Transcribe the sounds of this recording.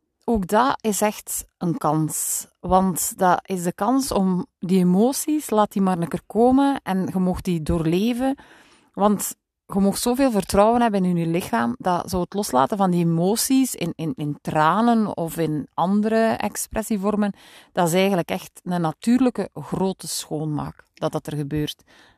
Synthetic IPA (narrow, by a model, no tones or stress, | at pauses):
oːɡ̚dɑɪsɛxtənkɑns | ʋɑntdɑʔɪzdəkɑnsɔmdiemoːsislaːt̚imaːrnəkərkoːmənɛnɣəmoxt̚didoːrleːvən | ʋɑnt | ɣəmɔxtsoːveːlˠvərtrɔwənɦɛbənɪnynylɪxaːmdɑ̰zɔwətlɔsla̰ːtənvɑndiemoːsisɪ̰nɪnɪntraːnənɔfɪnɑndəɾəɛ̰ksprɛsivɔrmən | d̥ɑtɪs̬ɛːjɣənləkɛxtnənatyːrləkəɣroːtəsxoːnma̰ːkd̥ɑt̚dɑtərɣəbøːrt